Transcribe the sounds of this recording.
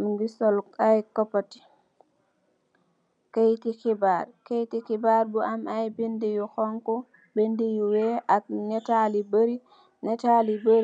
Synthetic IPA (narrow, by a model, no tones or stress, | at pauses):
mŋɡisɔlkajkɔpːati̥ | kejtikibaɾkejtikibaɾbuʔamajbindɛjuxɔŋkɔ | bendijuwɛʔak̚nɛtalibəɾi | nɛtalibəɾ